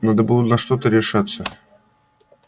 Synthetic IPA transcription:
nad̪əbud̪ʊt̪nɐʂt̪ot̪əɾʲɪʂat̪sə

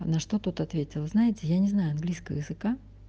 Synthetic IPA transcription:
nɐʂt̪ot̪ut̪ɐt̪vʲetʲɪlˠznajɪtʲɪjanʲɪznajʊɐnɡlʲijskəvə̰jɪzɨka

